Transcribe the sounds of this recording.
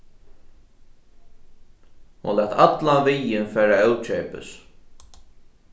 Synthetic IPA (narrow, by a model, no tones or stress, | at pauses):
hʊ̰nlæːt̪ʰat̪lavɪjɪnfɛːɾaœwt͡ʃɛːpɪ̰s